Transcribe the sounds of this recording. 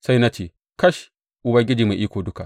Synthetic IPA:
sa˦jna˦t͡ʃeː˨ | kɐ˦ʃ | ʔʊ˨bɐ˨˦ŋɡʲɪ˦d͡ʒiː˨ma˨ʔiː˦kʷoː˨dʊ˦ka˨ʔ

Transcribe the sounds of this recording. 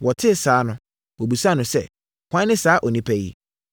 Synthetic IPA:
wɔ˨tʰɪ˦˨saː˨˦nʊ̃˦ | wɔ˨bu˨sa˦˨nʊ̃˨sɛ˦ | kʷã˦nɪ̃˦saː˨˦ʔɔ˨nĩ˦pʰæ˦jḭ˦˨

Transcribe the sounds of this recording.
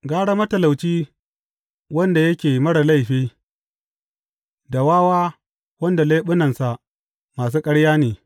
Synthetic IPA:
ɡaː˦ɽa˦mɐ˦tɐ˨la˨wt͡ʃiː˦ | wɐ˦nda˨jɐ˦kʲeː˨mɐ˦ɽa˨la˦˨jɸiː˦ | da˨waː˦waː˦ | wɐ˦nda˨le˦ɓʊ˦nɐ˨nsa˨ʔ | maː˨s̬uː˦kʼɐ˦ɽjaː˦neː˨

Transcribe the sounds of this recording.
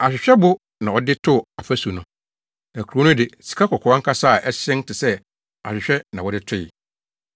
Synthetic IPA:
a˨ɕᶣɪ˨ɕᶣɛ˦bʊ˦ | nã˨ɔ˦dɪ˦tʰʊ˦a˨fæ˦su˨nʊ̃˨ | nã˨kʰu˨o˨˦nʊ̃˦dɪ˨si̥˨kʰa˦kʰɔ˨kʰɔ˨˦ã˦ŋ̩˦kʰa˦sa˦˨ʔɛ˦ɕɪ̃˦n˦tɪ˨sɛ˦ | a̰˨ɕᶣɪ˨ɕᶣɛ˦nã˨wɔ˦dɪ˦tʰʊ˦jɪ̰˨

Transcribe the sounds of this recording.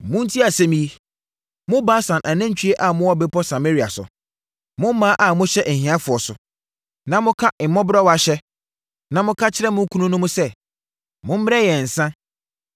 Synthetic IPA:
mʊ̃˦n̩˦tʰi˦a˨sɛ̃˦mĩ˦i˦ | mʊ̃˦baː˦sã˨nʔa˨nã˦t͡ɕᶣʰi˦e˦ʔa˨mʊ̃˦wɔ˦bɪ˦pʰɔ˦sa˨me˦ɾi˨a˨sʊ̰˨ | mʊ̃˦m˦mːãː˦ʔa˦˨mʊ̃˦ɕɛ˦ʔn̩˨hĩ˨˦ã˦fʊ˨ɔ˨sʊ̰˨ | nã˨mʊ̃˦kʰa˦ʔ̩˨mɔ̃˦bɾɔ˦wa˨ɕɛ˦ | nã˨mʊ̃˦kʰa˦t͡ɕʰɪ˦ɾɛ˦mʊ̃˦kʰu˦nũ˦nʊ̃˦mʊ̃˦sɛ˦˨ | mʊ̃˦m̩˦m˦ɛ˦jɛ˨n̩˨sã˦

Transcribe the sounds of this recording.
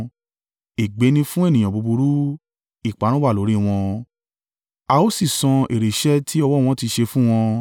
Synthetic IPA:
e˨ɡ͡be˨˦nĩ˧fũ˦e˦˨nĩ˨j̃ã˨bu˨˧bu˧ɾu˦ | i˦˨k͡pa˨˦ɾ̃ũ˦wa˦˨lo˨˦ɾi˦w̃ɔ̃˧ | a˧o˦si˦˨sɔ̃˧e˨ɾe˨ʃɛ˦tʰi˦ɔ˧wɔ˦˨w̃ɔ̃˧ti˧ʃe˧fũ˦w̃ɔ̃˧

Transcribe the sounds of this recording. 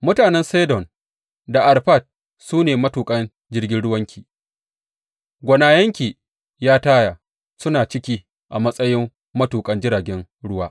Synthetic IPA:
mʊ˦taː˨nɛ˦nseː˦dɔ˨n | da˨ʔa˨rɸa˦˨t̚ | suː˦neː˨mɐ˦tuː˨kʼɐ˦n | d͡ʒɪ˦rɡʲɪ˦nɽʊ˦wɐ˦ŋkʲiː˨ | ɡʷɐ˨naː˨jɐ˦ŋkʲiː˨ | jaː˦taː˦jaː˨ | sʊ˦naː˨t͡ʃɪ˦kʲiː˦ | ʔa˨mɐ˦sʼɐ˦jɪ˦mː | ɐ˦tuː˨kʼɐ˦nd͡ʒɪ˦ɾaː˨ɡʲɛ˦n | ɽʊ˦waː˦ʔ

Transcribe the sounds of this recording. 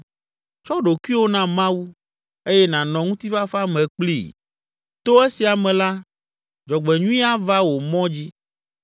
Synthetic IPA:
t͡ʃɔ˦ɖo˨kwi˦wo˦nã˦mã˦wu˦ | e˦jɛ˦nã˨nɔ̃˨ŋũ˦t̪i˦va˦fa˦mɛ̃˨k͡plḭ˦˨ | t̪o˦e˦si˨a˨mɛ̃˨la˦ | d͡ʒɔ˨ɡ͡bɛ˨ɲũ˦ĩ˦a˦va˦wo˨mɔ̃˦d͡ʑi˦

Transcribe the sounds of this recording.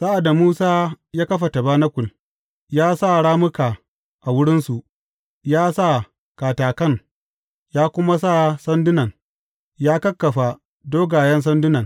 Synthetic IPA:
sa˦ʔa˨da˨muː˦saː˦jaː˦kɐ˦ɸa˨ta˨baː˦na˦kʷʊ˨l | jaː˦sa˦˨ɽaː˦mʊ˦kaː˨ | ʔa˨wʊ˦ɽɪ˦nsu˨ʔ | jaː˦sa˦˨ | kaː˨taː˨kɐ˦˨ŋ | jaː˦kʷʊ˦ma˦s̬a˦˨sɐ˦ndʊ˦nɐ˨ŋ | jaː˦kɐ˦kːɐ˨ɸa˨ | doː˦ɡaː˨jɐ˦ns̬ɐ˦ndʊ˦nɐ˨ŋ

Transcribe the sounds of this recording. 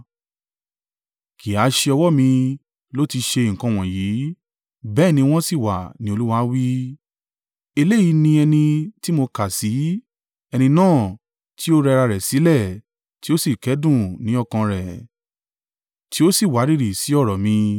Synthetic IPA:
kʰi˨a˨˦ʃe˧ɔ˧wɔ˦mĩ˧ | lo˦ti˧ʃe˧i˨ŋ̩˨kã˧w̃ɔ̃˨jiː˨˦ | bɛː˦nĩ˧w̃ɔ̃˦si˦˨wa̰˨nĩ˦o˧lu˦wa˧˦wi˦ | e˧le˦˨ji˨˧˦nĩ˧ɛ˧nĩ˧ti˦mo˧ka˨si˨˦ | ɛ˧nĩ˧nãː˦˨ | ti˦o˦ɾɛ˧ɾa˧ɾɛ˨si˨˦lɛ˦˨ | ti˦o˦si˦˨kɛ˨˦dũ˦˨nĩ˨˦ɔ˦˨kã˧ɾɛ˨ | ti˦o˦si˦˨wa˨˦ɾi˦˨ɾi˨si˨˦ɔ˦˨ɾɔ˨mĩ˧

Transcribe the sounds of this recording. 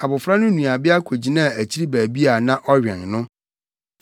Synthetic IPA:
a˨bʊ˨fɾa˦nʊ̃˦nũ˨a˨bɪ˦a˦kʰo˨d͡ʑi˦nã˦˨æ˨t͡ɕʰi˦ɾi˦bæː˨bi˦a˨nã˦ʔɔ˦ɥᶣɛ̰̃˨nnʊ̃˦

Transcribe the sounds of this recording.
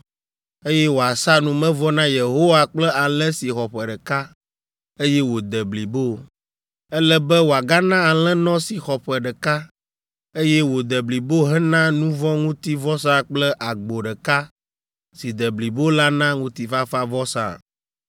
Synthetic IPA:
e˦jɛ˦wo˨a˨sa˦nũ˨mɛ̃˦vɔ˦nã˦je˨ɦo˦wa˦k͡plɛ˦a˨lɛ̃˦si˨xɔ˨ɸɛ˨ɖɛ˨ka˦ | e˦jɛ˦wo˨d̪ɛ˨bli˨bo˦ | ɛ˦lɛ˦bɛ˦wo˨a˨ɡa˦nã˦a˨l̃ɛ̃˦nɔ̃˦si˨xɔ˨ɸɛ˨ɖɛ˨ka˦ | e˦jɛ˦wo˨d̪ɛ˨bli˨bo˦ɦɛ˦nã˦nũ˦vɔ̃˦ŋũ˦t̪i˦vɔ˦s̬a˦k͡plɛ˦ʔa˨ɡ͡bo˨ɖɛ˨ka˦ | si˨d̪ɛ˨bli˨bo˦la˦nã˦ŋũ˦t̪i˦fa˦fa˦vɔ˦sa̰˦˨

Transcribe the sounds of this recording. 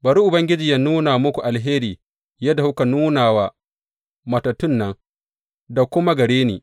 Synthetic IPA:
bɐ˨ɾi˦ʔʊ˨bɐ˦ŋɡʲɪ˦d͡ʒiː˨ja˦nuː˦naː˨mʊ˦kʷu˨ʔa˨lɦeː˦ɾiː˨ | jɐ˦da˨hʊ˦ka˨nuː˦naː˨waː˦˨ | mɐ˨tɐ˨tʊ˦˨nːɐ˦ŋ | da˨kʷʊ˦ma˦ɡɐ˨ɽeː˦nḛː˨

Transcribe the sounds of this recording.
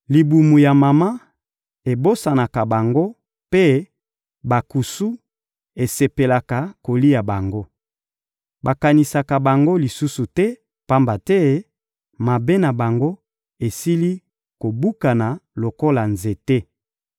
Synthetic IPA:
li˨bu˨mu˨ja˨ma˨ma˦ | e˨bo˦sa˨na˨ka˨ba˨ŋɡo˦ | pe˦ | ba˨ku˨su˦ | e˨se˨pe˨la˨ka˨ko˨li˦ja˨ba˨ŋɡo˦ | ba˨ka˨ni˨sa˨ka˨ba˨ŋɡo˦li˨su˦su˨tɛ˦ | pa˦mba˨tɛ˦ | ma˨be˦na˨ba˨ŋɡo˦ | e˨si˦li˦ | ko˨bu˦ka˨na˨lo˨ko˦la˨nze˨te˦

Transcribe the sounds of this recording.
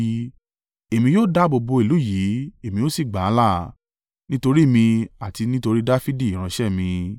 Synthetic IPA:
e˨mĩ˧joː˦˨da˦bo˧bo˧i˨lu˨˦ji˨˦e˨mĩ˧jo˦si˦˨ɡ͡ba˨˦la˦˨ | nĩ˦to˧ɾi˦˨mĩ˧a˨ti˧nĩ˦to˧ɾi˦da˦fi˦di˦˨ɾ̃ã˧ʃɛ˦mĩ˧

